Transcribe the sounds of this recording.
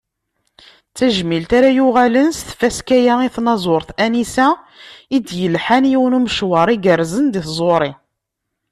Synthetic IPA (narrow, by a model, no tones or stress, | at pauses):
t͡sːæʒmilt̪aɾajuʁælənst̪fæskæjæiθnɑzˤoɾˤθænisæ | id̪jəlħænjiwənuməʃwɑɾˤiɡəɾzənd̪iθzˤoɾˤi